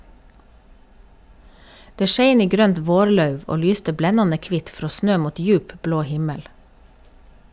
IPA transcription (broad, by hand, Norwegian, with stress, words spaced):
ˈdeː ˈʃeɪn ˈiː ˈɡɾøːnt ˈʋoːɾˌlɑʉʋ ˈoː ˈlyːstə ˈblɛnɑnə ˈkʋɪt ˈfɾoː ˈsnøː ˈmuːt ˈjʉːp ˈbloː ˈhɪməl